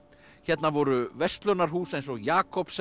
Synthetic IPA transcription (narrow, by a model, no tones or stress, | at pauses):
çɛt̪navɔɾʏvɛst̪lœnaɾ̥ɦuːsejnsɔɣjaːkɔps